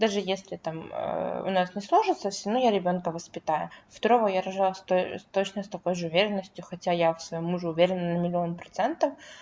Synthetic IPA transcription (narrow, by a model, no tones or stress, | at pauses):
d̪aʐɨjesʲlʲɪt̪amə̰ʊ̰nasnʲɪslˠoʐɨt̪səfsʲɪnojaɾʲɪbʲo̞nkəvəspʲɪt̪ajʊ̰ft̪ɐɾovojaɾɐʐalˠsʲt̪ost̪o̞t͡ɕnəst̪ɐko̞jʐɨʊvʲeɾʲɪnːəsʲtʲjʊxɐtʲajafsvɐjomːuʐɨʊvʲeɾʲɪnnəmʲɪlʲɪonpɾɐt̪sɛnt̪əf